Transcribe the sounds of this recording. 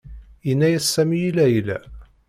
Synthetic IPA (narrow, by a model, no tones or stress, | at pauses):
inːæjæsːæmijilæjəlæ